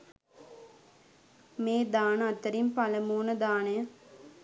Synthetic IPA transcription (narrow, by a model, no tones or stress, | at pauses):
meːd̪aːnəat̪ːəɾimpaləmuːnəd̪aːnejə